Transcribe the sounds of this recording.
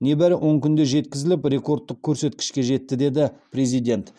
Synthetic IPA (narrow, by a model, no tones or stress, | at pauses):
ne̞bæɾɪwʔo̞ɴkʲʰʏnd̪e̞ʒe̞t̪kʲɪzɪlɪpɾe̞ko̞rt̪ːəq̚kʲʰɵɾse̞t̪kʲɪ̥ʃkʲe̞ʒe̞t̪ːɪd̪e̞d̪ɪpɾe̞zijd̪e̞nt̪